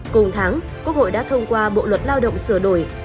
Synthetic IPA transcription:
kʊ˨˩ŋ͡mt̪ʰaː˨˦ŋku˧˦˥ək̚ho̰˧˨jɗa̰ː˧˥t̪ʰə˧wŋ͡mkwaː˧ɓo̰˧˨lwə˨˩t̚laː˧wɗə̰˧˨wŋ͡msɨ˧˩əɗo˧˩j

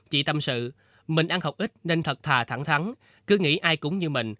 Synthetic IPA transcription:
t͡ɕḭ˧˨t̪ə˨˩msɨ̰˧˨ | mï˨˩ŋ̟ɗaː˧ŋhə˨˩wk͡p̚ʔi˦˥t̚ne˧nt̪ʰə˨˩t̚t̪ʰaː˨˩t̪ʰa˧˩ŋt̪ʰa˨˦n | kɨ˨˦ŋḭ˧˥ʔaː˧jkʊ̰˧˥ŋ͡mɲɨ˧mï˨˩ŋ̟

